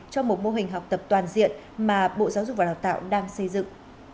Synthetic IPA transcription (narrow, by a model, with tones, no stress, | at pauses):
t͡ɕɔ˧wŋ͡mmo˨˩t̚mo˧ɦï˨˩ŋ̟ɦa˨˩wk͡p̚t̪ə˨˩p̚t̪waː˨˩nzḭ˧˨ən | maː˨˩ɓo̰˧˨zaː˨˦wzʊ˨˩k͡p̚vaː˨˩aː˨˩wt̪a̰ː˧˨wɗaː˧ŋsə˧jzɨ̰˧˨ŋ